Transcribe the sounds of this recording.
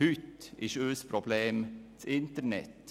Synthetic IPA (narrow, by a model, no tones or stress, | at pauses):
ʉt̪ɪʃøːspʰɾʊbleːmt̪ʰɪnt̪əɾnɛ̰t̪